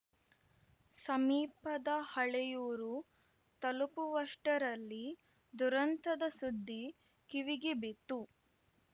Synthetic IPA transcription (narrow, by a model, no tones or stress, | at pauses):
sɐmiːpɐd̪ɐhɐɭɛjuːɾu | t̪ɐlupuʋɐʂʈɐɾɐlːi | d̪uɾɐnt̪ɐd̪ɐsud̪ːi | kiʋiɡibit̪ːu